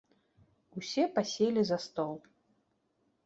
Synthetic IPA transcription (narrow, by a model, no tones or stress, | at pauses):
usʲɛpasʲɛlʲizɐst̪ɔlˠ